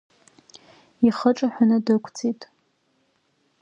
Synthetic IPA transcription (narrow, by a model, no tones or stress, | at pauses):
iχəʈ͡ʂʼaħʷᶣanɨdɨkʷʰt͡sʰʼitʼ